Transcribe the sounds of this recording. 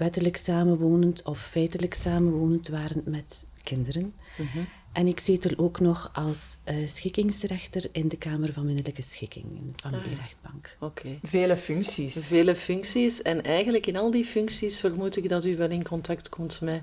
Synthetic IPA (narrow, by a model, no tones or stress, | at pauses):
ʋɛtələksaːmənʋoːnəntɔfːɛjtələksaːmənʋoːnəntʋaːɾənmɛt | kɪndəɾən | ʔɛnɪksɪtəlʔoːknɔxʔɑlˠssxɪkɪŋsrɛxtərɪndəkaːmərvɑnmɪnələkəsxɪkɪ̰ŋnvɑndiɾɛxd̚b̥ɑŋkokʰeveːləfʏŋksisveːləfʏŋksisɛnɛjɣənləkɪnɑlˠdifʏŋksisfərmutɪɡdɑtyʋɛlɪnkɔntɑktkɔmtmɛ